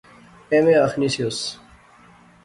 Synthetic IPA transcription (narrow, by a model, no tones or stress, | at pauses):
emeɐxnisijos